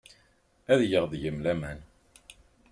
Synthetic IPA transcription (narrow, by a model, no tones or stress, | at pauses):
æðjəʁðjəmlæmæn